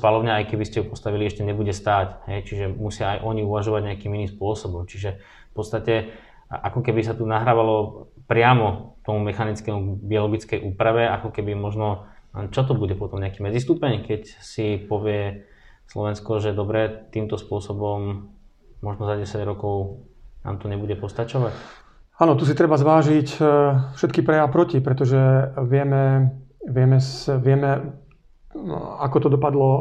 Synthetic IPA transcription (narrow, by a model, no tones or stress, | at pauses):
spalɔʊɲɛajkɛbiscɛjupɔst̪aʋiliɛʃcɛɲɛbuɟɛst̪aːcɦɛjt͡ʃiʒɛmusɪaajʔɔɲiuʋaʒɔʋaɟɲɛakiːminiːmspʊɔsɔbɔmt͡ʃiʒɛ | fpɔt̪st̪acɛ | ʔakɔkɛbisat̪unaɦɾaːʋalɔ | pɾɪamɔt̪ɔmumɛxanit͡skɛmubiɔlɔɡit͡skɛjʔuːpɾaʋɛakɔkɛbimɔʒnɔt͡ʃɔt̪̬ɔbuɟɛpɔt̪ɔmɲɛakiːmɛd͡zist̪uːpɛɲkɛcsipɔʋɪɛ | slɔʋɛnskɔʒɛd̪ɔbɾɛt̪iːmt̪ɔspʊɔsɔbɔmː | ɔʒnɔzaɟɛsaɟɾɔkɔʊ | na̰ːmt̪ɔɲɛbuɟɛpɔst̪at͡ʃɔʋac | aːnɔt̪us̬it̪ɾɛbazʋaːʒicfʃɛt̪kipɾɛjaʊpɾɔcipɾɛt̪ɔʒɛʋɪɛmɛʋɪɛmɛsʋɪɛmɛ | akɔt̪ɔd̪ɔpad̪lɔ